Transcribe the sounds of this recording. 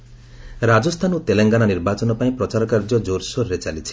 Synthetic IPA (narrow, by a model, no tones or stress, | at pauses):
ɾad͡ʒɔst̪ʰanut̪eleŋɡananiɾbat͡ʃɔnɔpaĩpɾɔt͡ʃaɾɔkaɾd͡ʒɔd͡ʒoɾsoɾɾet͡ʃalit͡ʃʰi̥